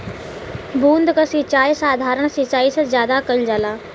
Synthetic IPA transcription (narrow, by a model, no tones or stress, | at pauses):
bʱũːnd̪kəsit͡ʃaːjsaːd̪ʱaːɾəɽ̃sit͡ʃaːisɐ̃zjaːd̪akəld͡ʒaːlaː